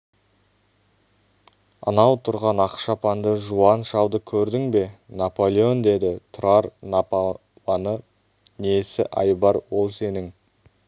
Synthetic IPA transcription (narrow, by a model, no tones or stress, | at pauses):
ɑ̰nɑwt̪ʰʊɾʁɑnɑqʃɑpɑnd̪əʒuɑnʃɑwd̪əkʲʰɵɾd̪ɪŋbe̞napo̞lʲˠeo̞nd̪e̞d̪ɪt̪ʰʊɾɑɾnap | wɑnə | nesɪʔɑjbɑɾwo̞lˠse̞nɪŋ